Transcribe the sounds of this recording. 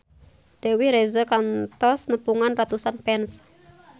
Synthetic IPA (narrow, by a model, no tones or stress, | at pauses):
d̥ewiɾezəkant̪ɔsnəpuŋanrat̪usanpɛns